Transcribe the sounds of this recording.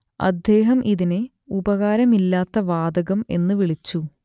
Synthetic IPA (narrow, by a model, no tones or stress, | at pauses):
ɐ̰d̪jeːɦɐmʔiðine | ubɐɣaːɾɐmilːaːt̪ːɐʋaːd̪ɐɣɐme̞̰nːɨʋiɭit͡ɕːu